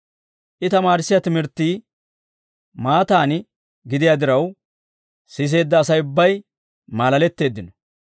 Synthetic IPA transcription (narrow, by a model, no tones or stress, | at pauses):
ʔɪt̪ɐmaːɾɪsːɪjat̪ɪmɪɾt̪ːiː | maːt̪aːnɪ | ɡɪd̪ɪjad̪ɪɾɐw | sɪs̬e̞ːd̪ːɐːsɐjʊbːɐj | maːlɐlɛt̪ːe̞ːd̪ːɪnɔ